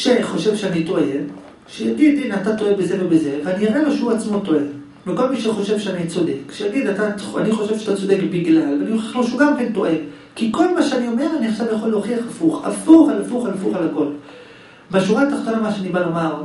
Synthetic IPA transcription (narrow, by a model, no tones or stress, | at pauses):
ʃeχo̞ʃe̞vʃeanito̞e | ʃejaɡidinatato̞ebezevebeze̞veaniaʁeloʃeuat͡smo̞to̞e̞ | veko̞lmiʃeχo̞ʃe̞vʃeanit͡so̞de̞kʃejaɡidataa̰niχo̞ʃevʃatat͡so̞dekbiɡlalveanioχeχloʃuɡamke̞nto̞ʔe̞ | kiko̞lmaʃeanio̞me̞ʁaniaχʃavlejaχoleoχiaχafuχa̰fuχalafuχalafuχalako̞l | beaʃuʁaːtaχt̪o̞namaʃeanibalo̞maʁ